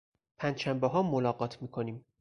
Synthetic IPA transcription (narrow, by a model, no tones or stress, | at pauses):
pʰænd̪ʃæmbeɦɒːmːolɒːɢɒːt̪ʰmiːkʰoniːm